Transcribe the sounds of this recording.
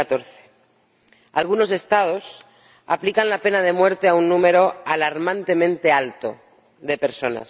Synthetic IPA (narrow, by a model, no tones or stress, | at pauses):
at̪o̞ɾθe̥ | a̰lɣ̞uno̞se̞st̪að̞o̞s | a̰plikanlape̞nað̞e̞mwe̞ɾt̪e̞aunːũme̞ɾo̞alaɾmãnt̪e̞mẽnt̪e̞alt̪o̞̰ | ðe̞pe̞ɾso̞na̰s